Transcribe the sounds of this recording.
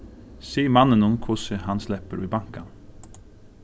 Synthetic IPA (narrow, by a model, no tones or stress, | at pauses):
siːmɑnənunkʰʊsəhɑnslɛpəɾʔiːbɑŋkɑ